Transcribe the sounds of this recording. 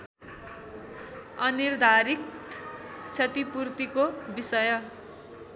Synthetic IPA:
ʌnird̪ʱaɾik̚ | t͡sʰʌt̪ipurt̪ikobisʌjʌ

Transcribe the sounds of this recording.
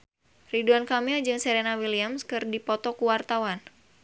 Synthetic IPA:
riduankamild͡ʒɨŋsɛɾenawiliamskɨrdipɔt̪ɔkuwart̪awan

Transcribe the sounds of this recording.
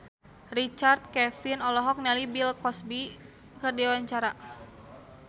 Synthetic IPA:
rit͡ʃart̪̚kɛfinɔlɔɦɔk̚nalibilkɔsbi | kərdiawaɲt͡ʃaɾa

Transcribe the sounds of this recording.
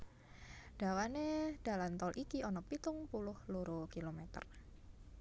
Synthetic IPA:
d̥awaned̥alant̪ɔlʔikiɔnɔpit̪ʊŋpulʊhluɾukilomɛt̪ə̰r

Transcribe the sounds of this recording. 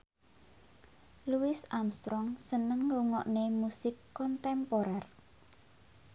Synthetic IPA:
luwɪsamst̪ɾɔŋsənəŋɡuŋɔʔnemusɪkːɔnt̪ɛmpoɾɛr

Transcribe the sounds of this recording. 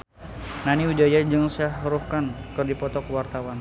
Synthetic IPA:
naniud͡ʒajaɲd͡ʒɨŋsahɾuhkankɨrdipɔt̪ɔkəwart̪awan

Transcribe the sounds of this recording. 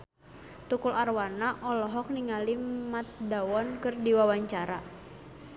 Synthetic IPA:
t̪ukularwanaʔɔlɔɦɔk̚niŋalimat̪̚dawɔnkɨrdiwawaɲt͡ʃaɾa

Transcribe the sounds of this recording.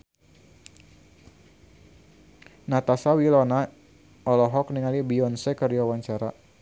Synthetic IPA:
nat̪asawilɔna | ɔlɔɦɔk̚niŋalibiɔnsɛkərdiwawaɲt͡ʃaɾa

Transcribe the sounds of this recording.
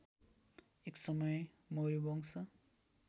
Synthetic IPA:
eksʌmʌj | moɾiboŋsʰʌ

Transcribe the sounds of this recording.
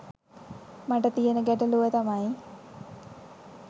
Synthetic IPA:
maʈət̪ijənəɡæʈəluʋet̪amaj

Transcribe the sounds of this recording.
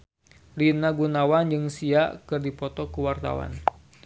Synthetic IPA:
rinaɡunawand͡ʒɨŋsiaʔkɨrdipɔt̪ɔkuwart̪a̰wa̰n

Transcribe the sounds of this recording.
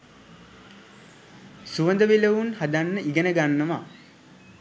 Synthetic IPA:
suʋənd̪əʋeləʋunhad̪anːəʔiɡənəɡanːəʋa

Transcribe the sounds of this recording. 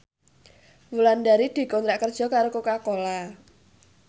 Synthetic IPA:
wuland̪aɾid̪̥i̤kɔnt̪ɾaʔkərd̥ʒ̥ɔ̤kaɾokokakola

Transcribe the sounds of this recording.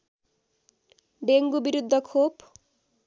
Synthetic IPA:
ɖeŋɡubiɾud̪ʱːʌkʰop

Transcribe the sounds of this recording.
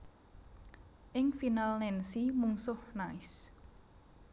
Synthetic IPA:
ʔɪŋfinalnɛnsimuŋsʊhnaɪs

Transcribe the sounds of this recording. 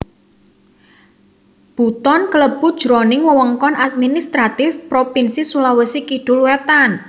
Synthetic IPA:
b̥ṳt̪ɔnkələb̥ʊ̤d̥ʒ̥ɾɔnɪŋwəwəŋkɔnʔat̪̚minist̪ɾat̪ɪfpɾopinsisulawəsikiɖ̥ʊ̤lwet̪an

